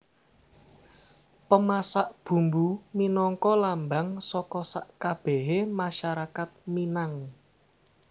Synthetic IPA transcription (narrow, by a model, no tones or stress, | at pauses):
pəmasaʔb̥ṳmbuminɔŋkɔlambaŋsɔkɔsaʔkab̥ɛɦemaʃaɾakat̪̚minaŋ